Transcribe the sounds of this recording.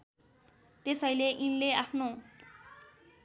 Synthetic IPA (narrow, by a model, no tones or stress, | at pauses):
t̪esʌjleʔinleapʰno